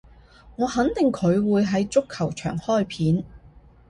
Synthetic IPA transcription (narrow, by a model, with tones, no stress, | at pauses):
ŋɔː˨˧hɐ˨˥nt̪ɪ˨ŋkʰɵ˨˧ɥwuː˨˧jɦɐ˨˥jt͡sʊ˥kʰːɐ˨˩wt͡ʃʰœ̰ː˨˩ŋhɔː˥˩jpʰiː˨˥n